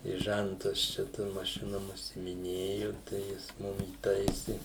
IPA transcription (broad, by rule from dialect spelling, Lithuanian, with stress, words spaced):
ɪ ˈʒʲæntɐs t͡ʃʲɛ ˈtoːm mɐˈʃʲɪnoːm ʊʃʲsʲɪmʲɪˈnʲeːjʊ tɐɪ ˈjɪs ˈmʊm iːˈtɐɪsʲɪ